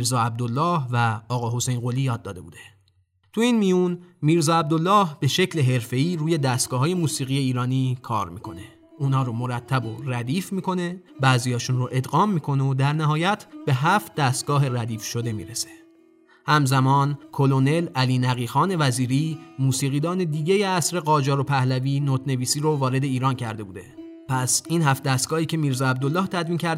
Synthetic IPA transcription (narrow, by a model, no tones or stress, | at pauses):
iɾzɒːæb̚d̪olːɒːhvæɒːɣɒːɦo̞se̞jnɢo̞liːjɒːd̪ːɒːd̪e̞bṵːd̪e̞ | t̪ʰuiːnmijunmiːɾzɒːæb̚d̪o̞lːɒːhb̥e̞ʃe̞cle̞ɦe̞ɾfe̞iːɾuːje̞d̪æst̪ɡ̥ɒːɦːje̞muːsiːɣije̞iːɾɒːniːkʰɒ̰ːɾmḭːkʰo̞̰ne̞ | uːnhɒːɾomo̞ɾæt̪ʰːæbo̞ɾæd̪iːfmiːkʰo̞ne̞bæːzijɒːʃunroʔe̞d̪ɣɒːmːiːkʰo̞neod̪æɾnæɦɒːjæt̪ʰb̥e̞ɦæft̪̚d̪æst̪̚ɡ̥ɒːɦe̞ɾæd̪iːfʃo̞d̪e̞mḭɾese̥ | hæmzæmɒːnkʰo̞lone̞læliːnæɣiːxɒːne̞væziːɾimuːsiːɣiːd̪ɒːne̞d̪iːɟejeæsɾe̞ɢɒːd͡ʒɒːɾopʰæhlæviːnot̪ne̞viːsiːɾovɒːɾe̞d̪e̞iːɾɒːncʰæɾd̪e̞buːd̪e̞̰ | pʰæsinɦæft̪̚d̪æst̪̚ɡɒːhiːcʰe̞miːɾzɒæb̚d̪olːɒːht̪ʰæd̪viːncʰæɾ